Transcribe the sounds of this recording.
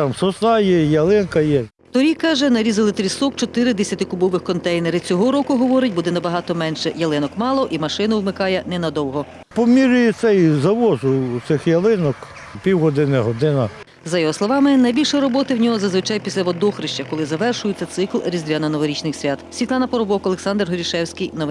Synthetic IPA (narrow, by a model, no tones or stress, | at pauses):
t̪ɑmsɔsnɑjɛjɐlˠɪnkɐjɛ | t̪ɔɾʲikɑʒɛnɐɾʲizɐlˠɪt̪ɾʲisɔkt͡ʃɔt̪ɪɾɪd̪ɛsʲɐt̪ɪkʊbɔʋɪxkɔnt̪ɛjneɾɪt͡sʲɔɦɔɾɔkʊɦɔʋɔɾɪt̚ʲbud̪ɛnɐbɐɦɑt̪ɔmɛnʃɛjɐlˠɪnɔkmɑlˠɔʔimɐʃɪnɐwmɪkɑjɛnɛnɐd̪ɔwɦɔ | pɔmʲiɾʊjɛt̪sɛizɐʋɔzʊt̪sɪxjɐlˠɪnɔk | pʲiwɦɔd̪ɪnɪɦɔd̪ɪnɐ | zɐjɔɦɔslˠɔʋɑmɪnɐjbʲilʲʃjɾɔbɔt̪ɪwnʲɔɦɔzɐzʋɪt͡ʃɑjpʲisʲlʲɐʋɔd̪ɔxɾɪʃt͡ʃɐkɔlˠɪzɐʋɛrʃʊjet͡sʲːɐt̪sɪklˠɾʲizʲd̪ʲʋʲanɐnɔʋɔɾʲit͡ʃnɪxsʲʋʲat̪sʲʋʲit̪lˠɑnɐpɔɾɔbɔkɔlˠeksɑnd̪rɦɔɾʲiʃɛwsʲkɪjnɔʋ